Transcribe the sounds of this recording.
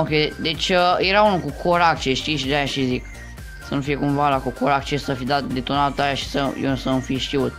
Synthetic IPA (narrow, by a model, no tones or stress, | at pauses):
okʲed̪e̞t͡ʃʲəjeɾaunukukʰoɾak̚t͡ʃeʃt̪iʃid̪ajaʃizik | sənufije̞kumvalakukoɾak̚t͡ʃesəfid̪at̪d̪e̞t̪onat̪ajaʃi̥səjesəmfiʃt̪iut̪̚